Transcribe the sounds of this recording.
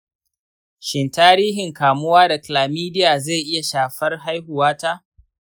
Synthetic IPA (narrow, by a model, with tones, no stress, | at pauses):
ʃɪ˨ntaː˦ɾiː˦ɦɪ˨ŋkaː˨mʊ˦waː˦da˨kɪ˨laː˨miː˦dɪ˦jaː˨ze˦˨ʔɪ˦ja˨ʃaː˨ɸɐ˦rɦa˦jhʊ˨waː˦taː˦ʔ